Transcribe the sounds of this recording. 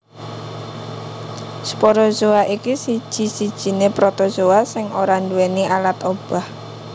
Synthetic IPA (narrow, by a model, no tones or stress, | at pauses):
sə̥poɾɔzowaʔikisid̥ʒ̥i̤sid̥ʒ̥i̤nepɾɔt̪ɔz̥oasɪŋoɾanduwɛniʔalat̪ob̥a̤h